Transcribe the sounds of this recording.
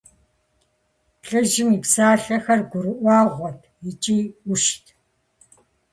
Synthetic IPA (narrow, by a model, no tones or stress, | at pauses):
ɬʼɨʒɪmipsaːɬɐxɐrɡʷʊɾɨʔʷɑːʁʷɔt̚ʰjɪt͡ʃʼiːʊʃtʰ